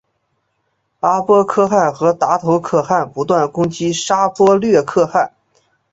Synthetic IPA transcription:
a˥pwɔ˥kʰɤ˥xa˥˩nxɤ˧˥t̪a˧˥t̪ʰo˧˥ʊkʰɤ˥˩xa˥˩npu˧˥t̪wa˥˩nkʊ˥ŋt͡ɕi˥ʂa˥pwɔ˥lɥɛ˥˧kʰɤ˥˧xa˥˩n

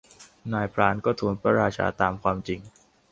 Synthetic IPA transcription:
naː˧jpʰɾaː˨˦˥nkɔː˥˩t̪ʰuː˨˩˦npʰɾa̰˧ɾaː˧t͡ɕʰa̰ː˧˥t̪aː˧mkʰwaː˧mt͡ɕi˧ŋ

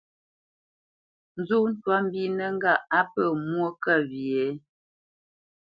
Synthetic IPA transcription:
n̩˨zu˦n̩˦twa˦m̩˦bi˦nə˦ŋ˦ɡa˦˨a˦pə˨mwo˦kə˦˨βi˨e˨˦

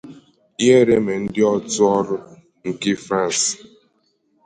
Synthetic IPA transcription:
je˦ɾe˦me˨n̩˦dɪ˦ɔ˦twɔ˦ɾʊ˦ | ŋ̩˨ki˦fɾã˦˨ns

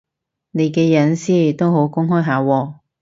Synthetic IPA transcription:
ne˨˧jkɛː˧jɐ˨˥nsiː˥t̪o˥wɦo˨˥wkʊ˥ŋɦɔː˥jɦaː˨˥wɔː˧

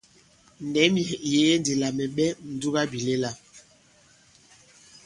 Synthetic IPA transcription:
nɛ˨˦mi˨je˨˦jɛ˦n˦di˨la˨mɛ˨ɓɛ˦n̩˨du˦ɣa˦bi˨le˦la˦

